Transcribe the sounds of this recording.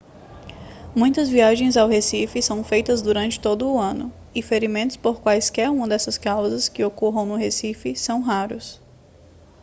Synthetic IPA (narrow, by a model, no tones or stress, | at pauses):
mũj̃t̪ɐzviaʒẽj̃zawɦesifɪsɐ̃w̃fejt̪ɐzd̪uɾɐ̃nt͡ʃɪ̥t̪od̪ʊːɐ̃nʊ | ɪfeɾimẽnt̪ʊ̥spoɾkwajskɛɾũmɐd̪ɛsɐskawzɐskɪokoɦɐ̃w̃nʊɦesifɪsɐ̃w̃ɦaɾʊs